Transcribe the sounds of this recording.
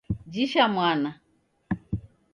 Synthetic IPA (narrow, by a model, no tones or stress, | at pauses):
d͡ʒiʃamwana